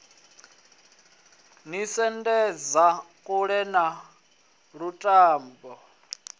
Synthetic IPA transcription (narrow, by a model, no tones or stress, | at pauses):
nisɛndɛd͡zakʼuɺɛna | ɺutʼaːmbɔ